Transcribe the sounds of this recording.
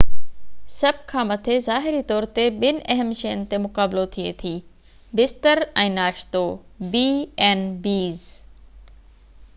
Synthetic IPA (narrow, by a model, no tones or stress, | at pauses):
sɐb̚ʱkʰãːmɐt̪ʰezaːɦɪɾit̪ɔːɾt̪eɓɪnɪ̆ʔɛɦəmʃɐjənɪ̆t̪emʊkaːblot̪ʰiḛt̪ʰiː | bɪst̪əɾɛ̃ːnaːʃt̪obiːɛːnbiːz